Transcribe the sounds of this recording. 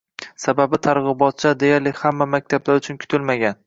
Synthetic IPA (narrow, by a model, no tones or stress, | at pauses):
sababɪt̪ʰaɾʁɨbɒt̪̚t͡ʃʰad̪e̞jaɾlɪhamːamak̚ʲt̪ʰablaɾʊt͡ʃʰʊnkʰʊ̥t̪ʰɪlmaɡʲan